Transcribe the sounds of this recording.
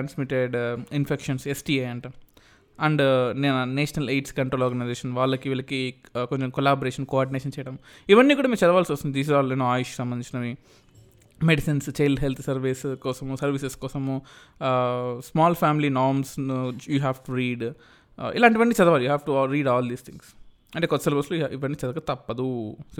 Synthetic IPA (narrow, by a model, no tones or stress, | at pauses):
ʈansmiʈeɖinfʰekʂɐnsesʈieɐɳʈɐ | ɐɳɖnenɐneːʃnɐleːɖskɐɳʈɾoːlɔːɾɡɐnɐjzeːʃɐnʋaːɭːɐkiʋilɐkikoɲt͡ʃemkɔlaːboːɾeːʃɐnkoaːɾɖineːʃɐnt͡ʃɛːjɐɽɐm | iʋɐnːiːkuːɽaːmemt͡ʃɐd̪ɐʋaːlsost̪und̪id̪iːs̬izaːlenoːaːjuʃsɐ̃mbɐnd̪ĩt͡ʃinɐʋi | meɖisinst͡ʃejlɦelt̪ʰsɐɾʋiskɔːsɐmuːsɐɾʋiseskɔːsɐmu | smaːlfʰaːmilinaːɾmsjuːɦaːʋʈuɾiːɖ | ḭlaːɳʈiʋɐnːiːt͡ʃɐd̪ɐʋaːljuːɦaːʋʈuɾiːɖaːld̪iːst̪ʰiŋɡs | ɐɳʈeːkɔt̪ːsɐlʋɐsloːʔiʋɐɳːiːt͡ʃɐd̪ɐkat̪ɐpːɐd̪u